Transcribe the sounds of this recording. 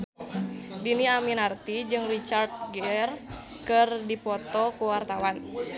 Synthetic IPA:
diniaminart̪id͡ʒɨŋrit͡ʃard̪̚ɡɛr | kɨrdipɔt̪ɔkuwart̪awan

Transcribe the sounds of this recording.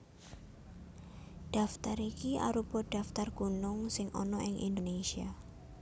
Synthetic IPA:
ɖ̥a̤ft̪aɾikia̰ɾupɔɖ̥a̤ft̪arɡ̥ṳnʊŋsɪŋɔnɔʔɪŋʔḭndonesia

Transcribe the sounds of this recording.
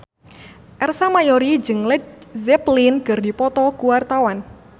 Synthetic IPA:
ʔɛrsamajoɾid͡ʒɨŋlɛzɛplinɡɨrdipɔt̪ɔkuwart̪awan

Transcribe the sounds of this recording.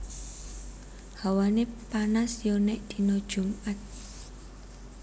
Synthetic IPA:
hawanepanasjɔnɛʔd̪̥i̤nod̥ʒ̥ṳmʔat̪̚

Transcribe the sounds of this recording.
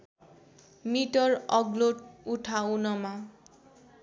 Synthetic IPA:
miʈʌɹɔɡloʈuʈʰaunɔma

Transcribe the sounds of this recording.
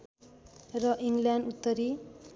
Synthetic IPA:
rʌʔiŋɡljanut̪ːʌɾi

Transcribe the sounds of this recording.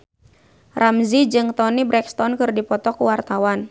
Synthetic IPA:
rʔamzid͡ʒɨŋt̪ɔnibɾɛkst̪ɔnkɨrdipɔt̪ɔkuwart̪awan

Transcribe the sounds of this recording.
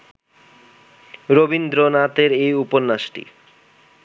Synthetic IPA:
ɾobind̪ɾonat̪eɾejuponːaʃʈḭ

